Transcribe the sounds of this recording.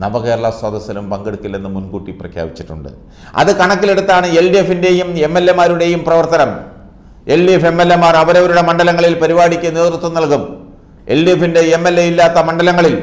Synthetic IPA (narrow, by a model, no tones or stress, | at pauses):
nɐbɐɣeːrɐɭɐswɐd̪ɐsɐlumpɐŋɡeɽukːilːenːɨmunkuːʈːiprɐkʰja̰ːbit͡ɕːiʈːṵɳɖɨ̰ | ɐ̰ðɨkɐɳɐkːile̞ɽut̪ːaːɳɨe̞ɭɖijefinde̞jume̞mːelːemaːɾuɽe̞jumprɐʋɐrt̪ɐnɐm | e̞ɭɖijefe̞mːelːemaːrɐʋɐɾɐʋɐɾuɽe̞mɐɳɖɐlɐŋːɐɭilpɐɾibaːɽikʲːɨne̞ːðrut̪ːɐmnɐlkum | eɭɖijefinde̞emːelːe̞jilːaːt̪ːɐmɐɳɖɐlɐŋːɐɭil